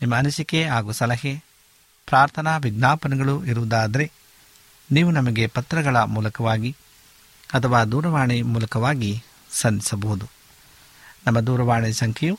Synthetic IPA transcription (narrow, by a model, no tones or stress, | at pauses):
nimːɐːnusikeɦaːɡusɐlɐɦe | pɾaːɾt̪ʰɐnaːʋiɡnaːpɐnɐɡɐɭuiɾuʋd̪aːd̪ɐɾe̞ | niːʋunɐmɐɡe̞pɐt̪ɾɐɡɐɭɐmuːlɐkɐʋaːɡi | ɐt̪ʰɐʋaːd̪uːɾɐʋaːɳimuːlɐkɐʋaːɡi | sɐnd̪isɐbɐɦud̪u | nɐmːɐd̪uːɾɐʋaːɳisɐŋkʰɛju